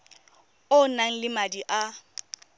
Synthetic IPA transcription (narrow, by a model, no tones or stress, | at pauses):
ʊnaŋ̩lɪmadiʔa